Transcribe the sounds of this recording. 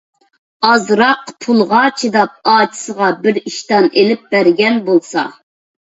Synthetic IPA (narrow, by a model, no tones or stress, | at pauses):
ɑzɾɑqpʰulˠʁɑt͡ʃʰid̪ɑp̚ɑːt͡ʃʰi̥səʁɑbɪɾiʃt̪ɑnelɪp̚bæɾɡʲɛnbolˠsɑ̰